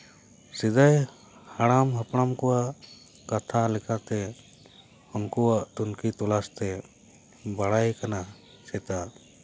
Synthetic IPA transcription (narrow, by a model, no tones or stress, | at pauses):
sid̪aj | haɽamɦapɽ̃amkɔwaʔ | kat̪ʰalɛkat̪ɛ | hɔŋkɔwaʔt̪unkit̪ɔlast̪ɛ | baɽajkana | sɛt̪a